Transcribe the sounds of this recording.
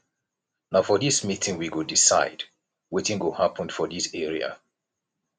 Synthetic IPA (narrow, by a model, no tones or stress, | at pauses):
naʊfɔðismitʰɪ̃ŋwiɡodisaɪd | wetɪ̃ŋwəhapʰə̃ndfɔðisɛɹia̰